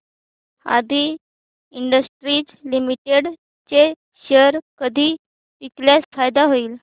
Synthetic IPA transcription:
a̰d̪ʱiː | iɳɖəsʈɾiːt͡slimiʈeɽ | t͡se | ɕəɾkəd̪ʱiː | ʋikljat͡sfajd̪aɦoiːl

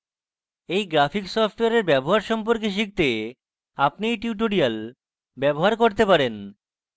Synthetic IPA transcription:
ejɡɾafiksɔfʈoeaɾeɾbɛboɦaɾʃɔmpoɾkeʃ̬ik̚t̪e | apnijʈjuʈ̬oɾial | bɛboɦaɾkoɾt̪epaɾen

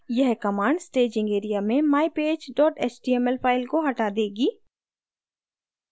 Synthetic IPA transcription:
jɛɦkɐmaːɳɖsʈeːd͡ʒɪ̃ŋɡeːɾijamẽmaːipeːd͡ʒɖɔːʈeːt͡ʃɖiːɛmɛlpʰaːɪlkoɦɐʈad̪eːɡiː

